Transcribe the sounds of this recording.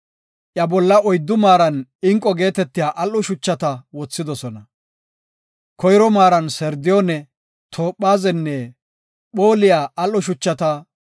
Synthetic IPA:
ʔjɐbɔlːɐɔjd̪ːʊmaːɾɐnɪŋkʼːɔɡe̞ːt̪ɛt̪ːɪjaːʔɐlːɔʃʊt͡ʃːɐt̪ɐwɔt͡sːɪd̪ɔsɔnɐ | kʰɔjɾɔmaːɾɐnsɛɾd̪ɪjonɛ | t̪ʰoːpːaːzɛnːɛ | ɓoːlɪjaːʔɐlːɔʃʊt͡ʃːɐt̪ɐ

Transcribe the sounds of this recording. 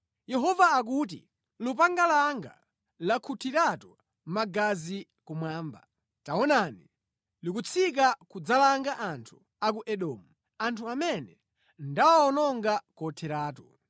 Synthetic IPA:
jɛɦɔvaːk̬ut̬ḭ | lupaŋɡalaŋɡa̰ | lakʰutʰiɾatu | maɡazi | kumwaːmba | taɔnani | likut͡sʰik̬akud͡zalaŋɡaʔantʰu̥ | ak̬uʔɛɗɔːmu | antʰuamɛnɛ | ndawaɔnɔŋɡakɔtʰɛɾaːtu

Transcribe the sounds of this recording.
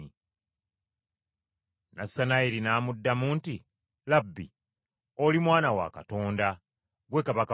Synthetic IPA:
i | nasːanaiɾinaːmudːamuːnti | labːi | olimwaːnawa̰ka̰to̞ːnda | ɡwe̞kaβaka

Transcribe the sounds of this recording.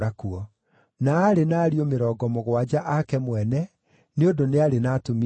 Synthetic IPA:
akuɔ | naːɾenaːɾiomeɾɔːɡɔmoɣwad͡ʑaʔakɛmwɛnɛ | neondoneaɾenatomi

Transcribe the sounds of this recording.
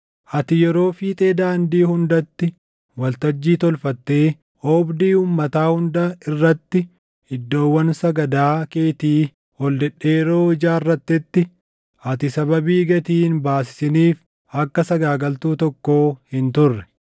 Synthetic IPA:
ʔɐt̪ɪjɛɾo̞ːfɪt̪ʼeːd̪aːnd̪iːhʊnd̪ɐt̪ːɪ | wɐlt̪ɐd͡ʒːiːt̪ɔlfɐt̪ːe̞ː | ʔoːbd̪iːuːmːɐt̪aːhʊnd̪ɐɪrːɐt̪ːɪ | ɪd̪ːo̞ːwːɐnsɐɡɐd̪aːke̞ːt̪iː | hɔld̪ɛɗːe̞ːɾo̞ːɪd͡ʒaːɪrːɐt̪ːɪt̪ːɪ | ɐt̪ɪsɐbɐbiːɡɐt̪iːnbaːs̬ɪ̥sɪniːf | ɐkːɐsɐɡaːɡɐlt̪uːt̪ɔkːoːhɪnt̪ʊrːɛ̥

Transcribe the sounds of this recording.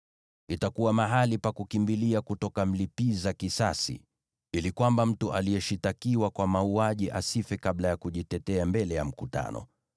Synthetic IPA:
itakuwamaɦalipakukimbiliakutɔkam̩lipizakisasḭ | ilikwambam̩tuʔalijɛʃitakiwakwamauaʄiʔasifɛkaɓlajakuʄitɛtɛambɛlɛjam̩kuta̰nɔ̰

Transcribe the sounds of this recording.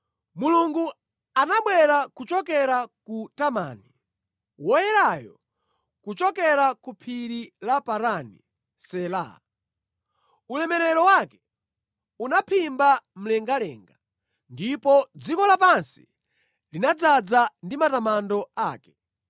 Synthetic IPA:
muluŋɡu | anaɓwɛɾakut͡ʃɔk̬ɛɾakutama̰ːni | wɔjɛɾajɔ̰ | kut͡ʃɔkɛɾakupʰiɾilapaɾanḭ | sɛla̰ | ulɛmɛɾɛɾɔwakɛ̥ | unapʰimbam̩lɛŋɡalɛ̰ːŋɡa | ndipɔd͡zikɔlapansi̥̰ | linad͡zad͡zandimatamandɔaːkɛ̥

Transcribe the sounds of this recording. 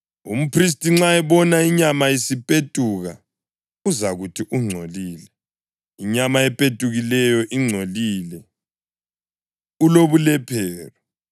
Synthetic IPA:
ṵm̩pʰris̬tʼiŋ͡ǁaɛβɔnaiɲamajisipʼetʼuɣa | uzaɣutʰiʔuŋ͡ǀʱoliːlɛ | iɲamaɛpʼetʼuɣilɛjɔʔiŋ͡ǀʱolilɛ | uloβulɛpʰɛːlɔ

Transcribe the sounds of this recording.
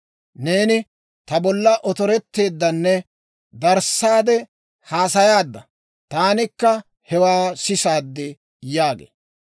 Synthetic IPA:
ne̞ːnɪ | t̪ɐbɔlːɐʔɔt̪ɔɾɛt̪ːe̞ːd̪ːɐnːɛ | d̪ɐɾsaːd̪ɛ | haːsɐjaːd̪ːɐ | t̪aːnɪkːɐ | hɛwaːsɪsaːd̪ːɪ | jaːɡḛː

